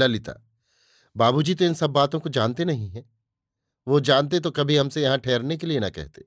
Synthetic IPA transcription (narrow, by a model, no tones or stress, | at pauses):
lɐlɪt̪a̰ː | baːbud͡ʒiːt̪oɪ̃nsɐbːaːt̪õkod͡ʒaːnt̪enɐɦĩɦɛ̃ | ʋod͡ʒaːnt̪̬et̪̬okɐbʱiɦɐmsejɐɦãʈʰɛːɾnekelienɐ̰kɛ̰ɦt̪ḛː